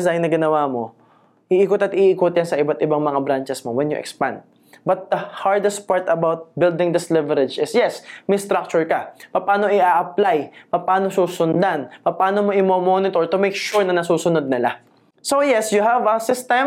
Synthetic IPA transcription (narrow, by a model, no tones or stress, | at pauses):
zajŋnɐɡɪnɐwaːmo̞̰ | ʔɪʔikot̪ɐt̪ʔiʔːkot̪̚jɐnsɐʔɪbat̪ʔɪbaŋmɐŋabɾant͡ʃɛsmowɛnjʊʔɛ̰kspã̰nd̪̚ | bɐt̪̚d̪ɐhaɹd̪ɛst̪̚paɹt̪ɐbawt̪̚bɪld̪ɪ̃ŋd̪ɪslɪvɛɾɛd͡ʒɪsjɛsmɪjst̪ɾak̚t͡ʃʊɹkɐpɐpaːno̞ʔɪʔaʔɐplajpɐpaːnosuːsʊnd̪anpɐpaːno̞moʔɪmomonɪt̪oɹt̪ʊmɛjkʃuɹnɐnɐsuːsʊnod̪̚nɪla | sojɛsjʊɦɐvɐsɪst̪ɛ̃m